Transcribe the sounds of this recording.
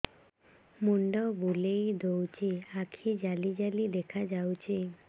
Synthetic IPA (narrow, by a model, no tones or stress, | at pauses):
muɳɖɔbulejd̪owt͡ʃʰiakʰid͡ʒalid͡ʒalid̪ekʰad͡ʒawt͡ʃʰi